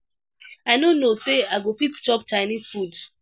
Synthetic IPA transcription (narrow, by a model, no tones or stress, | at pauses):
aɪnonoseaɪɡofitt͡ʃɔp̚t͡ʃaɪnisfud